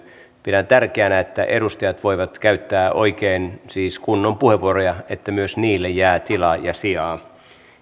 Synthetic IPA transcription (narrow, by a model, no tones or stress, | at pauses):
pidænt̪ærkeænæet̪ːæ̰ʔeɾust̪ɑjɑt̪ʋoiʋɑt̪kæyt̪ːæːʔo̰ikeːnsiːskunːompuheʋːuoɾojɑet̪ːæmyøsniːlːejjæːt̪ilɑjɑsiɑː